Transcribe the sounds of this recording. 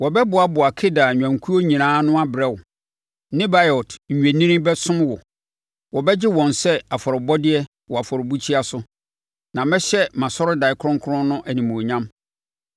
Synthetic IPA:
wɔ˨bɛ˦bʊ˨a˨bʊ˨a˨kʰɪ˦da˨ɲᶣã˨ŋkʰu˦o˦ɲĩ˨nãː˦nʊ̃˦a˦bɪ˨ɾɛ˦˨wʊ˨ | nɪ̃˦ba˦jɔ˨tʰɲ̩˨ɲᶣ˨ɛ˨nĩ˦ɾĩ˦bɛ˦sʊ̃˦m˦wɔ˨ | wɔ˨bɛ˦d͡ʑɪ˦wɔ̃˨nsɛ˦a˨fɔ˨ɾɪ˨bɔ˦dɪ˦ɛ˦ | wɔ˨a˨fɔ˨ɾʊ˨bu˦t͡ɕʰi˦a˦sʊ˦ | nã˨mɛ̃˦ɕɛ˦mã˨sɔ˦ɾʊ˦da˨ɪ˨kʰʊ˦ɾʊ̃˦ŋ˦kʰʊ˦ɾʊ̃˦nnːʊ̃˦ʔæ˨nĩ˨mũ˨ɲã˦m

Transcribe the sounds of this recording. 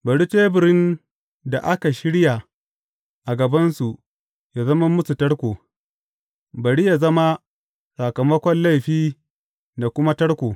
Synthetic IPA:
bɐ˨ɽi˦t͡ʃeː˦bɪ˨ɾɪ˦n | da˨ʔa˦ka˨ʃɪ˦ɽja˨ | ʔa˨ɡɐ˨bɐ˦nsu˨ | ja˨zɐ˦mɐ˦mʊ˦su˨tɐ˦ɽkʷoː˨ | bɐ˨ɽi˦ja˨zɐ˦ma˦ | sa˨kɐ˨mɐ˦kʷɔ˦nla˦˨jɸiː˦ | da˨kʷʊ˦ma˦tɐ˦ɽkʷoː˨

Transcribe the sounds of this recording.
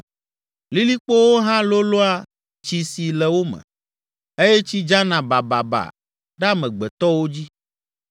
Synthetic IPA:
li˦li˦k͡po˦wo˦ɦã˦lo˦lo˦a˦ | t͡ʃi˨si˨lɛ˨wo˦mɛ̰̃˨ | e˦jɛ˦t͡ɕi˦d͡ʒa˦nã˨ba˨ba̰˨ba̰˨ | ɖa˦mɛ̃˨ɡ͡bɛ˨t̪ɔ˦wo˦d͡ʑi˦

